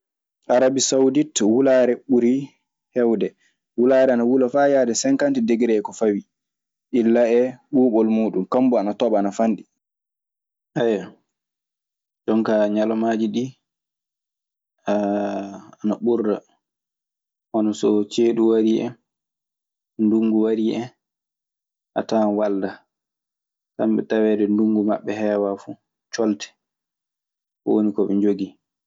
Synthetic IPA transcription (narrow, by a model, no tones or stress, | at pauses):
ʔaɾabisawuditwulaːɾɛɓuɾi | hɛwdɛ | wulaːɾɛanawulafajaːdɛsɛŋkantideɡiɾɛkɔfawi | ʔilːaɛɓuːɓɔlmuːɗumkambɔanatɔɓaːnafanɗi | ʔaja | d͡ʒɔŋkaɲalɔmaːd͡ʒiɗi | a | anaɓuɾda | ʔɔnɔsɔt͡ʃeːɗuwaɾiʔɛ̰n | nduŋɡuwaɾiʔɛn | ʔa̰tanwalda | samɓɛtawɛːdɛnduŋɡuma̰ɓːɛhɛːwafu | t͡ʃɔltɛ̥ | wonikɔɓɛnd͡ʒoɡi